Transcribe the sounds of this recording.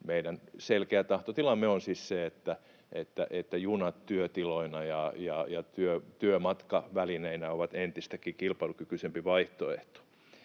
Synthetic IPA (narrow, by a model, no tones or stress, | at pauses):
meidænselkeæt̪ɑht̪ot̪ilɑmːˑeonsisseet̪ːæ | ʔet̪ːæ̰ʔet̪ːæjunɑt̪t̪yøt̪iloinɑjɑjɑjɑt̪yøt̪yømɑt̪kɑʋælineinæoʋɑt̪ent̪ist̪ækːiːkilpɑilukykysempiʋɑiht̪oḛht̪o̥